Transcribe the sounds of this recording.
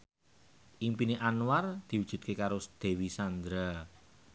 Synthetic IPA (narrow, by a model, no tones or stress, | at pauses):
ʔimpineʔanward̪̥i̤wud̥ʒ̥ṳt̪̚kekaɾʊsd̪̥e̤wisand̪ɾa